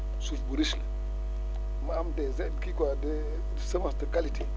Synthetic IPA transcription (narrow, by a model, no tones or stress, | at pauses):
sufbuɾisle | maamdezekikwade | səmastəkaliti